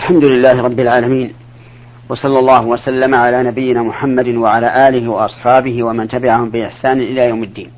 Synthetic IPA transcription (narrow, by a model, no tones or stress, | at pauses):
ʔalħamd̪ʊlɪlːaːhɪɾˤɑbːɪlʕaːlamiːn | wɑsˤɑlːɑlˤːɑːɦʊwasalːamaʕalaːnabɪjːɪnaːmʊħamːad̪waʕalaːʔaːlɪɦɪwɑʔɑsˤħɑːbɪɦɪwamant̪abɪʕahʊmbɪʔɪħsaːnɪʔɪlaːjawmɪd̪ːiːn